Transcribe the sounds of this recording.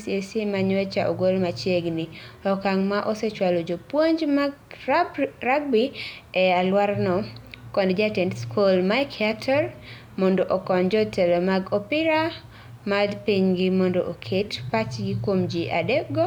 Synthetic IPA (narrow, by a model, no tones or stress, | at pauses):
sjesimaɲet͡ʃaʔoɡolmat͡ʃjeɡniɔkaŋmaʔoset͡ʃwalod͡ʒopwoɲd͡ʒmaɡ | raɡ̚biɛalwaɾnɔkɔndd͡ʒatɛntskolmakʰatʰɔɾ | mondoʔokɔnd͡ʒɔtɛlɔmaɡɔpɪɾa | maldpiɲɡɪmɔndoʔokʰetpat͡ʃɡikwomd͡ʒiʔa̰dɛɡɔ